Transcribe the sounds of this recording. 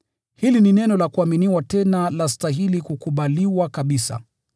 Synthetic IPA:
hilininɛnɔlakuaminiwatɛnalastaɦilikukuɓaliwakaɓisa̰

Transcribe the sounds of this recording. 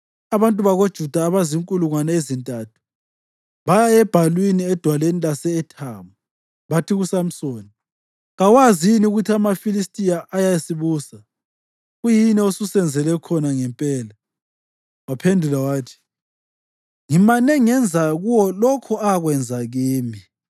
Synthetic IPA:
aβantʼuβaɣod̥ʒ̥ʱud̥ʱaːβaziŋkʼuluŋwanɛezintʼaːtʰu̥ | βajaɛb̥ʱalwiniɛd̥ʱwalenilasɛːtʰaːmu | βatʰiɣusam̩soːni | ɣawaziiniuɣutʰiamafilistʼijaʔajajesiβuːsa | ɣujinɛosusɛnd͡zʱɛlɛkʰɔnaŋɛmpʼɛːla | wapʰendʱulawaːtʰi̥ | ŋimanɛŋɛnd͡zʱaɣuwɔlɔkʰɔaɣwɛnd͡zʱaɣiːmi

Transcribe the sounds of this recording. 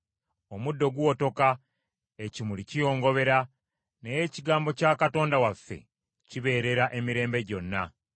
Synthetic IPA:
o̞mudːo̞ɡuwo̞to̞ka | ecimulicijo̞ːŋɡo̞βe̞ɾa | nejeciɡaːmbo̞caːkato̞ːndawafːe̞̰ | ciβe̞ːɾe̞ɾaʔe̞miɾe̞ːmbe̞ɟo̞nːa

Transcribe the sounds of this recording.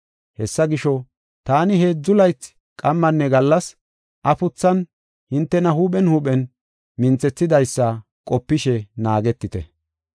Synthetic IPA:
hɛsːɐɡɪʃɔ | t̪aːnɪɦeːd͡zːʊlɐjt͡sː | kʼɐmːɐnːɛɡɐlːɐs | ʔɐpʊt͡sːɐn | hɪnt̪ːɛnɐɦuːɓɛnhuːɓɛn | mɪnt͡sːɛt͡sːɪd̪ɐjsːɐ | kʼɔpːɪʃɛnaːɡɛt̪ːɪt̪ɛ

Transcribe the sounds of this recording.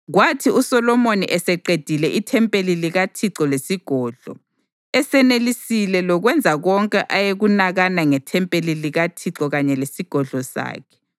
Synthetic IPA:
ɣwatʰiusɔlɔmoniʔɛsɛǃed̥ʱilɛʔitʰɛmpʼeliliɣatʰiǁɔlesiɡ̥ʱɔːɮɔ̰ | ɛsɛnelisilɛlɔɣwɛnd͡zʱaɣɔŋkʼɛʔajeɣunaɣanaŋɛtʰɛmpʼeliliɣatʰiǁɔɣaɲɛlesiɡ̥ʱɔɮʱɔsa̰ːkʰɛ̥

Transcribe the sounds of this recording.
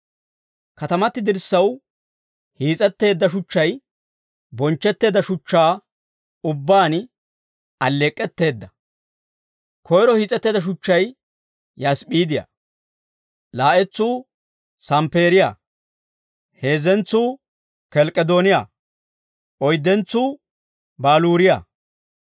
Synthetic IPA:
kɐt̪ɐmɐt̪ːɪd̪ɪɾsːɐw | hiːt͡sʼɛt̪ːe̞ːd̪ːɐʃʊt͡ʃːɐj | bɔnt͡ʃːɛt̪ːe̞ːd̪ɐʃʊt͡ʃːaː | ʊbːaːn | ʔɐlːeːkʼːɛt̪ːe̞ːd̪ːɐ | kʰɔjɾɔhiːt͡sʼɛt̪ːeːd̪ɐʃ̬ʊt͡ʃːɐj | jɐspiːd̪ɪja̰ | laːʔɛt͡sːuː | sɐmpe̞ːɾɪja̰ː | he̞ːzɛnt͡sːuː | kɛlkʼːɛd̪oːnɪjaː | ʔɔjd̪ːɛnt͡sːuː | baːluːɾɪja̰ː

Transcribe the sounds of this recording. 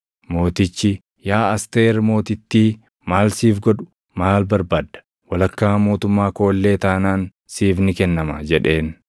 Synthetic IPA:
mo̞ːt̪ɪt͡ʃːɪ | jaːɐst̪e̞ːɾmo̞ːt̪ɪt̪ːiː | maːlsiːfɡɔᶑʊ̥ | maːlbɐɾbaːd̪ɐ̥ | wɐlɐkːaːmo̞ːt̪ʊmːaːko̞ːlːe̞ːt̪aːnaːn | siːfnɪkɛnːɐmɐd͡ʒɛᶑe̞ːn

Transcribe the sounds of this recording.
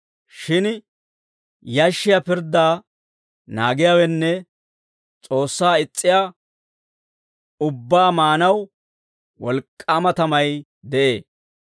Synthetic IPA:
ʃɪn | jɐʃːɪjapɪɾd̪aː | na̰ːɡɪjaːwɛnːɛ | t͡sʼo̞ːsːaːɪt͡sʼːɪjaː | ʊbːaːmaːnɐw | wɔlkʼːaːmɐt̪ɐmɐj | d̪ɛʔe̞ː

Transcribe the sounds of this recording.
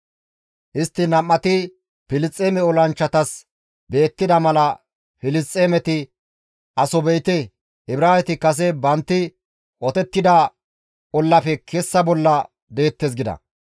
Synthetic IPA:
ʔɪst̪ːɪnɐmːɐt̪ɪ | pɪlɪst͡sʼːeːmɛɔlɐnt͡ʃːɐt̪ɐs | be̞ːt̪ːɪd̪ɐmɐlɐ | fɪlɪst͡sʼːeːmɛt̪ɪ | ʔɐsɔbɛjt̪ɛ | ɪbɾaːɛt̪ɪkɐs̬ɛbɐnt̪ːɪ | ʔɔt̪ɛt̪ːɪd̪ɐ | ɔlːɐpɛkʰɛsːɐbɔlːɐ | d̪e̞ːt̪ːes̬ɡɪd̪ɐ̰

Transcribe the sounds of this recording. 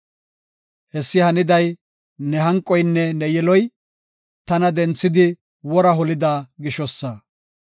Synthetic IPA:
hɛsːɪhɐnɪd̪ɐj | nɛɦɐŋkʼːɔjnːɛnɛjɛlɔj | t̪ɐnɐd̪ɛnt͡sːɪd̪ɪ | wɔɾɐɦɔlɪd̪aːɡɪʃɔsːɐ

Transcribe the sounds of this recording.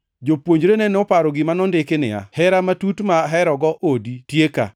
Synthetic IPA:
d͡ʒopwoɲd͡ʒɾenɛnɔpaɾɔɡɪmanɔndɪkɪnɪ̰a̰hɛɾamatutmaɦɛɾɔɡɔʔoditjeka̰

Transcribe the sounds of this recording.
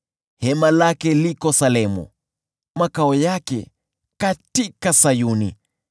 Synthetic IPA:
hɛmalakɛlikɔsalɛmṵ | makaɔjakɛ̰ | katikasajuni

